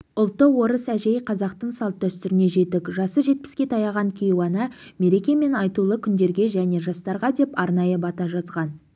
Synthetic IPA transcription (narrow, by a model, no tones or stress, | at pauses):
ʊlˠt̪ːəwo̞ɾəsæʒe̞jqʰɑzɑqt̪əɴsɑlˠt̪̚ːæst̪ʏɾɪne̞ʒe̞t̪ɪkʒɑsəʒe̞t̪̚pɪ̥skʲe̞t̪ʰɑjɑʁɑŋkʲʰejwɑnɑ | me̞ɾe̞kʲe̞me̞nɑjt̪ulˠəkʲʰʏnd̪e̞ɾɡʲe̞ʒæne̞ʒɑst̪ɑɾʁɑd̪e̞pɑɾnɑjəbɑt̪ɑʒɑzʁɑn